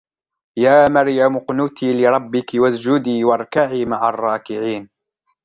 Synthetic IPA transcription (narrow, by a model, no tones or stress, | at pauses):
jaːmaɾjamʊqnʊt̪iːlɪɾˤɑbːɪkɪwasd͡ʒʊd̪iːwɑɾˤkaʕiːmaʕarˤːɑːkɪʕiːn